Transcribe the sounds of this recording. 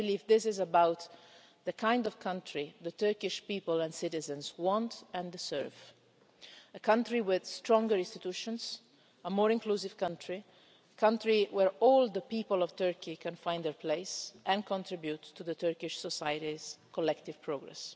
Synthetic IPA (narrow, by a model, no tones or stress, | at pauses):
biliːvd̪ɪsɪzəbawt̪ | d̪əkʰãj̃ndɔv̥kʰãntʰɹiðət̪ɜɹkɪʃpiːpəlɛ̃nsɪt̪ɪzə̃nswɔ̃nt̪ɛ̃ndsɜ̰ɹv | əkãntɾiwɪðstɹɔ̃ŋɡəɹɪ̃nst̪it̪uʃɔ̃nz | əmɔːɹɪ̃ŋklusiv̥kãntʰɹi | əkʰãnt̪ɹiwɛɹɔld̪əpiːpəlɔv̥t̪ɜɹkʰikɛ̃nfãj̃nd̪əɹpʰleɪsʔɛ̃nkɔ̃nt̪ɹibjut̪ːuðət̪ɜɹkɪʃsɔsajəɾiz̥kɔlɛkt̪iv̥pɹoɡɹɛ̰s